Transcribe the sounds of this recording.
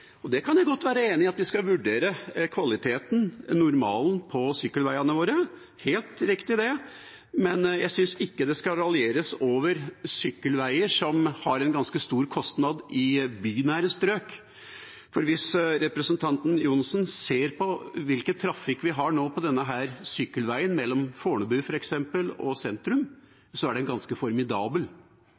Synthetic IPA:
ɔd̪ɛkʰɑnjæɪɡɔt̪ːʋæːɾəeːnɪɑt̪ʋɪskɑʋʉɖeːɾəkʰʋɑlɪt̪ʰeːt̪nnʊɾmɑ̰ːlnpʰɔsʏkːəlʋæɪɑnəʋoːɾə | heːlt̪ɾɪkt̪ɪd̪ɛ | mɛnjæɪsʏnsɪkːəd̪ɛskɑlɑlɪeːɾəsoːʋəɾsʏkːəlʋæɪəʂɔmhɑɾɛnɡɑnskəst̪uːɾkʰɔst̪nɑd̪ɪbyːnæːɾəst̪ɾøːk | fɔɾʋɪsɾɛpɾəsənt̪ʰɑnt̪n̩juːnɑsnseːɾpʰɔʋɪlkət̪ʰːɾɑfɪkʋɪɦɑɳoːpʰɔd̪ɛnːəɦæːɾsʏkːəlʋæɪənmɛlːɔmfoːɳəbʉːfɔɾɛksɛmpəlɔ̰sɛnt̪ɾʉm | sɔæɖɛnɡɑnskəfɔɾmɪd̪ɑːbəl

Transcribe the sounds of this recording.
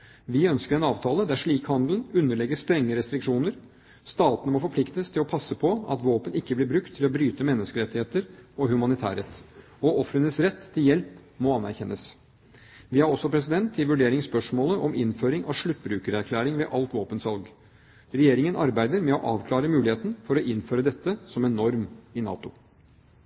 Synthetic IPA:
ʋɪœnskəɾɛnɑːʋt̪ʰɑːləd̪æʂɭiːkhɑnd̪ln̩ʉnːəɭɛɡːəst̪ɾɛŋːəɾɛst̪ɾɪkʂuːnəɾ | st̪ɑːt̪nəmɔfɔɾpʰlɪkt̪əst̪ʰɪlɔpʰɑsəpʰɔɑ̰t̪ʋoːpənɪkːəblɪːɾbɾʉkt̪ʰːɪlɔbɾyːt̪əmɛnːəskəɾɛt̪ːɪheːt̪əɾɔhʉmɑnɪt̪ʰæ̰ːɾɛt̪ː | ɔʔɔfɾənəsɾɛt̪ʰːɪljɛlpmɔɑnæɾçɛnːəs | ʋɪæɾɔsːɔpʰɾɛs̬ɪd̪ɛnt̪ʰːɪlʋʉɖeːɾɪŋspœʂmoːləʔɔmɪnføːɾɪŋʔɑ̰ʋʂɭʉt̪ːbɾʉːkəɾæɾkʰlæːɾɪŋʋɛʔɑlt̪ʋoːpənsʋɑlɡ | ɾɛjeːɾɪŋənʔɑɾbæɪd̪əɾmɛɔʔɑːʋkʰlɑːɾəmʉːlɪheːt̪n̩fɔɾɔʔɪnføːɾəd̪ɛt̪ːəsɔmɛnɔɾmɪnɑ̰ːt̪ʊ

